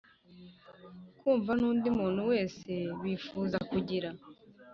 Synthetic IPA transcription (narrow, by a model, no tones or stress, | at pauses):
kuːɱvanuːndimuːn̥huwe̞ːse̞βiːfuːzakuɟiɾa